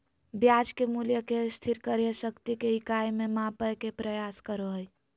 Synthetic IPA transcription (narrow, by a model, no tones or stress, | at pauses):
bjad͡ʒkemuljəkest̪ʰiɾkəɾjəsəkt̪ikeikajmemãpəjkepɾəjaskəɾoɦəj